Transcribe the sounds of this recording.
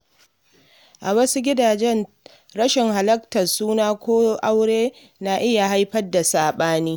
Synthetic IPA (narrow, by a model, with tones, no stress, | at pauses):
ʔa˨wɐ˦su˦ɡʲɪ˦daː˨d͡ʒɛ˦n | ɽɐ˦ʃɪ˨ŋɦa˨lɐ˦k̚tɐ˨rsuː˦naː˦kʷoː˦ʔa˦wɽeː˦ | naː˨ʔɪ˦ja˨ɦa˦jɸɐ˦da˨saː˨ɓaː˦niː˦